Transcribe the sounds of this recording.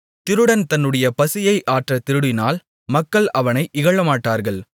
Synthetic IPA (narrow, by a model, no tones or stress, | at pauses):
t̪ɪɾɯɽɐnt̪ɐnːɯɽɐjɐpɐsɪjɐɪʔaːʈrɐt̪ɪɾɯɽɪnaːl | mɐkːɐɭɐʋɐnɐɪʔɪɣɐɭɐmaːʈːaːɾɣɐɭ